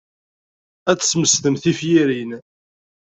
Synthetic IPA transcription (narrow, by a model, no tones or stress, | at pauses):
æt͡sːə̥sməst̪əmθifjiɾin